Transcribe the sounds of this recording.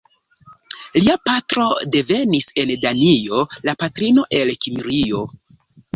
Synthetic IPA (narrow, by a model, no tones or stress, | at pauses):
liapatɾo̞de̞ve̞nise̞ndanio̞lapatɾino̞ʔe̞lkimiɾio̞